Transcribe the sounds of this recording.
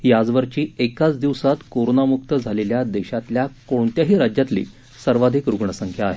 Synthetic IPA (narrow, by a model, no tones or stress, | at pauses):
jad͡zʋəɾt͡ɕiːekat͡sd̪iʋsat̪koɾonamuk̚t̪əd͡zʱaleljad̪eɕat̪ljakoɳt̪jaɦiːɾad͡ʑjat̪lḭː | səɾʋad̪ʱikɾuɡɳəsəŋkʰjaːɦe